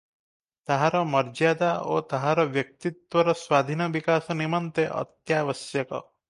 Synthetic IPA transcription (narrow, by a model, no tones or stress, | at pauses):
t̪aɦaɾɔmɔɾd͡ʒad̪ao̰t̪aɦaɾɔʋjʌk̚t̪it̪wɔɾɔswad̪ʱinɔbikasɔnimɔnt̪eʔɔ̰t̪jaʋɔsjɔkɔ̰